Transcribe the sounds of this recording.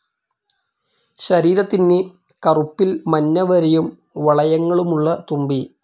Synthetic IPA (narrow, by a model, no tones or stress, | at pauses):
ɕɐɾiːɾɐt̪ːinːe | kɐrupːilmɐnːɐʋɐɾɐjum | ʋɐɭɐjɐŋːɐɭumuɭːɐt̪umbi